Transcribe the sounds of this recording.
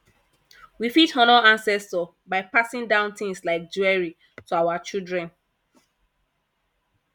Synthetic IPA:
wifithɔ̃nɔãnsɛstɔ | baɪpasĩŋdãʊ̃ntɪ̃ŋslaɪk̚d͡ʒuɛɹi | tuawat͡ʃildɹɛ̃n

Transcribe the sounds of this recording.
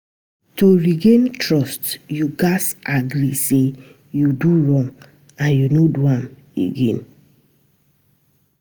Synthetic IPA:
toɹiɡẽntɹɔstjuɡasaɡɾise | juduɹɔ̃ŋɡ | ãnjunoduãm | ḛɡẽn

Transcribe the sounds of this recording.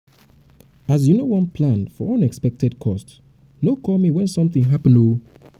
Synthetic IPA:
as̬junowʌ̃npʰlãnfɔʔʌ̃nɛkspɛk̚tʰɛd̚kʰɔst | nokʰɔmiwɛ̃nsʌ̃mθĩŋɦapə̃nu

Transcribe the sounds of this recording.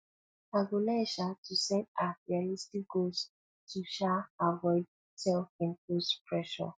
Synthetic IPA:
aɡolɛʃatʰusɛ̃ndafialistik̚ɡ̥ols | tʰuʃaavɔɪd̚ | sɛlfĩnkospʰɹɛʃɔ̰

